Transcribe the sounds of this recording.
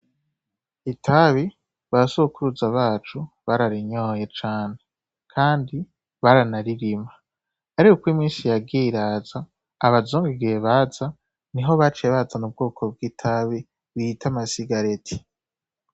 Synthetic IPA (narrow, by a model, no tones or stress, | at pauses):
itʰaβi | βaɾasokuɾuzaβaːt͡ʃu | βaɾaɾiɲoːje̞t͡ʃaːne̞ | kʰaːndi | βaɾanaɾiɾimaː | ɾikokwimiːnsijabɡiɾaːzaː | βazuːŋɡeɡijeβaza | niɦo̞βat͡ʃeβazanub̚ɡoːkʰo̞b̚ɡiːtʰaβi | βiitʰamasiɡaɾe̞tʰi̥